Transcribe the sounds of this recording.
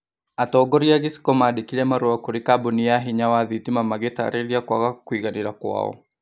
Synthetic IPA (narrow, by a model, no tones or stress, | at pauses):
atɔːɡɔɾiaɣisi̥kɔmadikiɾɛmaɾuakuɾikabɔniaɦiɲawaðitimamaɣeta̰ɾɛɾiakwaɣakuiɣaniɾakwa̰ɔ̰